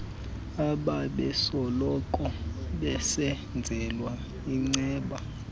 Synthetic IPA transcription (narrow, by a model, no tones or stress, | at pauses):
aɓaɓɛsɔlɔkʼɔɓɛsɛ | nd͡zʱɛlwa | iŋ͡ǀɛːɓa